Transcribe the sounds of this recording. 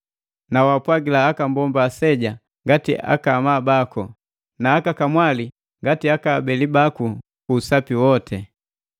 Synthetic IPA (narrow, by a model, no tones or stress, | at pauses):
nawapwaɡilaːkambɔmbaːsɛɟa | ŋɡatiʔa̰kamabakɔ | naːkakamwali | ŋɡatiakaːbɛlibaku | kuːsapiwɔtʰɛ